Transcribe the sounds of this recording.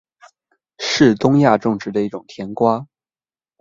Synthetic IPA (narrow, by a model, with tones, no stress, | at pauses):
ʂɻ̩˥˩t̪ʊ˥ŋja˥˧ʈ͡ʂʊ˥˧ŋʈ͡ʂɻ̩˥d̪ə˧i˥˩ʈ͡ʂʊ˨˩ŋt̪ʰjɛ˧˥nkwa˥